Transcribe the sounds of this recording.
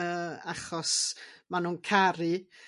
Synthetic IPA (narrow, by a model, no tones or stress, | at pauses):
əːaχɔsmanuːnkʰaɾɨ